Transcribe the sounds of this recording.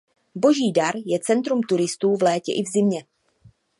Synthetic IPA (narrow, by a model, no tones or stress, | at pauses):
bo̞ʒiːdaɾjɛt͡sɛnt̪ɾumt̪uɾɪst̪uːvlɛːcɛ̰ʔɪvzɪmɲɛ